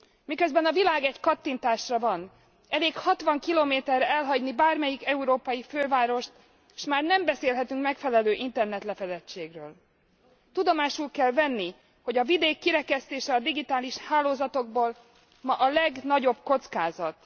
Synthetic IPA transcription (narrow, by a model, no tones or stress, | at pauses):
mikøzbɛnɒvilaːɡɛckɒt̪ːint̪aːʃrɒvɒn | ɛleːkhɒt̪ʋɒŋkiloːmeːt̪ɛrːɛɛlɦɒɟnibaːrmɛjikɛuɾoːpɒjiføːvaːɾo̞ʃt̪ | ʃmaːrnɛmbɛseːlɦɛt̪yŋkmɛkfɛlɛløːʔint̪ɛrnɛt̪lɛfɛd̪ɛt͡ʃːeːɡrøːl | t̪ud̪o̞maːʃulkɛlvɛnːi | ho̞ɟɒvid̪eːkːiɾɛkɛst̪eːʃɛɒd̪iɡit̪aːliʃhaːloːzɒt̪o̞ɡ̚boːl | mɒʔɒlɛɡnɒɟo̞bko̞t̪skaːzɒt̪